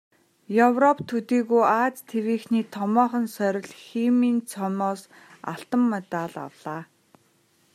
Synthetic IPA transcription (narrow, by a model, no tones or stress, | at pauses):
jɵwrɔpt̪ʰut̪iːɣujaːt͡st̪ʰewiːxniːt̪ʰɔmɔːχə̆nsœɾʲɪ̆ɮximiːnt͡sʰɔmɔːs | a̰ɬt̪ə̆mːet̪aːɮa̰wɮ̥aː